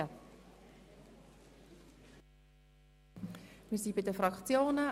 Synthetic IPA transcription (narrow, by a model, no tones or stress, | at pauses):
ə | misibidəfɾɑkt͡sjoːnə